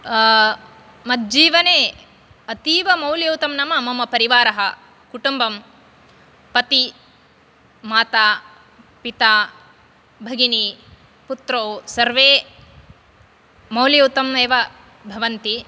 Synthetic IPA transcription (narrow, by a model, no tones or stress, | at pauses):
mɐt̪̚d͡ʒiːʋɐneː | ɐt̪iːʋɐmɐwljɐwt̪ɐmnɐmɐmɐmɐpɐɾiʋaːɾɐɦɐ | kuʈumbɐm | pɐt̪i | maːt̪aː | pit̪aː | bʱɐɡini | put̪ɾoːsɐɾʋeː | mɐwljɐwt̪ɐmeːʋɐ | bʱɐʋɐnt̪i